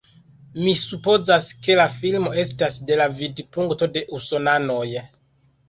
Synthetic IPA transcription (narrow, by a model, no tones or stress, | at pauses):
misupo̞zaske̞lafilmo̞e̞stasde̞lavidpuŋkto̞de̞ʔuso̞nano̞j